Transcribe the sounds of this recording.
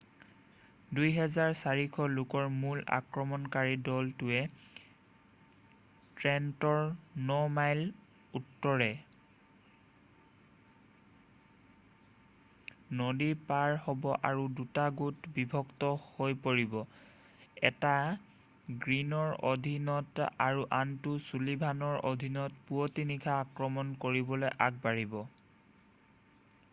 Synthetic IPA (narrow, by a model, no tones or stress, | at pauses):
dujɦɛzaɹsaɹikʰɔlʊkɔɹmula̰kɹɔmɔnkaɹidɔltʊɛ | tɹɛntɔɹnɔmajl | utːɔɹɛ | nodipaɹhɔbɔʔaɹudutaɡutbibʱɔktɔhojpoɹibɔ | ɛ̰ta | ɡɹinɔɹodʱinɔtaɹuʔantusulibʱanɔɹo̰dʱinɔtpuotinikʰaːkɹɔmɔnkoɹibɔlojʔak̚baɹibɔ